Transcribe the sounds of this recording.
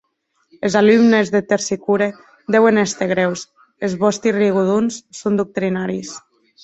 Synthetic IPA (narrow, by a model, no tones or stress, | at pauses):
elzalymnezðet̪eɾsikuɾe | d̪ɛwenest̪eɣɾɛws | ezβɔst̪iriɣ̞uðunsːond̪uk̚t̪ɾinaɾis